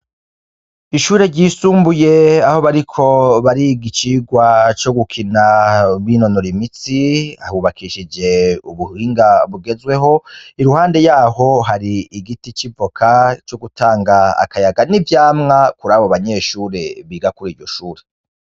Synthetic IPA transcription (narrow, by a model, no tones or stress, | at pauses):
iʃuːɾe̞ɾɟiːsuːmbuje̞aho̞βaɾikʰo̞βaɾiɡit͡ʃiːɡwat͡ʃo̞ɡukʰinaβino̞noɾimit͡sia̰huβakʰiʃid͡ʒe̞uβuhiːŋɡaβuɡe̞zɡwe̞ɦo̞iɾuhaːnde̞jaːɦo̞ɦaɾiːɡitit͡ʃivo̞kʰat͡ʃo̞ɡutaːŋɡa̰ːkajaɡanivjaːmŋakuɾaːβoβaɲe̞ːʃuːɾe̞βiːɡakuɾiːɾɟo̞ʃuːɾe